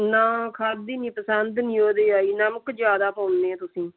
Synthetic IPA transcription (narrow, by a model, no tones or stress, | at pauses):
nãːkʰaːd̪iːnĩːpəsənd̪nĩːoːd̪eːaːiːnəməkd͡ʒjaːd̪aːpãːʊnd̪eːɛ̃ːt̪ʊsĩː